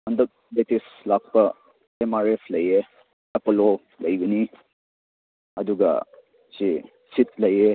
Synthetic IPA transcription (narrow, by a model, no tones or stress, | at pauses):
ɐndɐk̚ | letislak̚pɐ | emaɾepʰlɐje | ɐpolo | lɐjɡɐni | ɐduɡɐ̰ | si | sit̚lɐje